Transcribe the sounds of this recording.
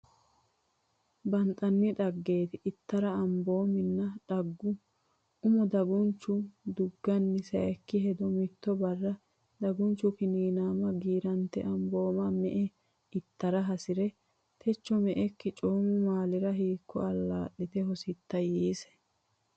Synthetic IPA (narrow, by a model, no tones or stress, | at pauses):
bɐnt̪ʼɐnːɪᶑɐɡːe̞ːt̪ɪʔɪt̪ːɐɾɐɐmbo̞ːmɪnːɐᶑɐɡːʊ | ʊmɔd̪ɐɡʊnt͡ʃːʊd̪ʊɡːɐnːɪsɐɛkːɪɦɛd̪ɔmɪt̪ːɔbɐrːɐ | d̪ɐɡʊnt͡ʃːʊkɪniːnaːmɐɡiːɾɐnt̪ːɛ̰ʔɐmbo̞ːmɐmɛʔɛ | ɪt̪ːɐɾɐɦɐsɪɾɛ | t̪ʰɛt͡ʃːɔmɛʔɛkːɪt͡ʃʼoːmʊmaːlɪɾɐɦiːkːɔ̰ɐlːaːɗːɪt̪ɛɦɔsɪt̪ːɐjiːsɛ̥